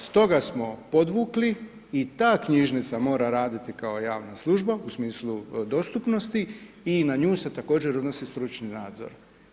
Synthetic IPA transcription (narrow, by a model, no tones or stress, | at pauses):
st̪o̞ɡasmo̞po̞d̪ʋuːkli | it̪aːkɲiʒnit̪samo̞ːɾaɾaːd̪it̪ikao̞jaːʋnaslˠuʒbausmiːslud̪o̞st̪upnost̪i | inaɲuːse̞t̪ako̞ːd͡ʑeɾod̪no̞sist̪ɾut͡ʃninaːd̪zo̰ɾ